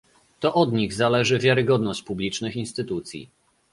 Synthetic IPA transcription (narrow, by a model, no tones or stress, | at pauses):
t̪ɔʔɔd̪ɲiɣzalɛʐɘvʲjaɾɘɡɔd̪nɔɕt͡ɕpublʲit͡ʂnɘxinst̪ɘt̪ut̪sʲjḭ